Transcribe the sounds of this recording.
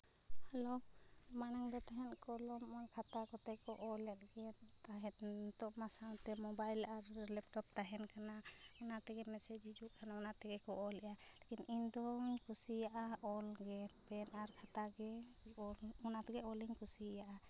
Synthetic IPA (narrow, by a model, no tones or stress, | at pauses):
halo | manaŋd̪ɔt̪aɦɛnkɔlɔmɔnkʰat̪akɔt̪ɛkɔʔɔlɛt̪ɡɛ | t̪aɦɛt̪t̪ɔʔmasawt̪ɛmɔbajlaɾlɛp̚ʈɔp̚t̪aɦɛnkʰana | unat̪ɛɡɛmɛsɛd͡ʒid͡ʒuʔkʰanaɔnat̪ɛɡɛkɔʔɔlɛʔa | lɛkinind̪ɔŋkʰusijaʔaɔlɡɛpɛnaɾkʰat̪aɡɛ | ɔɔnat̪ɛɡɛɔliŋkʰusijaʔa